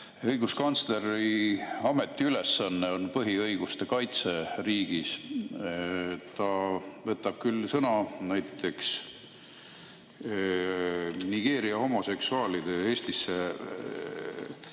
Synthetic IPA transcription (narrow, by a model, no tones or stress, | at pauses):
ɤjɡ̥uskɑnt̪sle̞ɾiɑmet̪ːˑiyle̞sːɑnːeo̞npɤɦiɤjɡ̥ust̪e̞kɑjt̪se̞riːɡ̥is | t̪ɑvɤt̪ːˑɑb̥̚kylːsɤnɑnæjt̪ːˑe̞ks | niɡ̥e̞ːɾiɑho̞mo̞se̞ksuɑːlid̪̥e̞e̞ːst̪isːe̞